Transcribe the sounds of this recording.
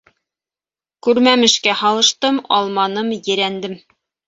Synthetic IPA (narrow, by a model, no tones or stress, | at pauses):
kʉɾmæmɘ̆ʃkæhɑlˠɤ̆ʃt̪ɤmɑ̰lˠmɑnɤmjɘ̆ɾænd̪ɘm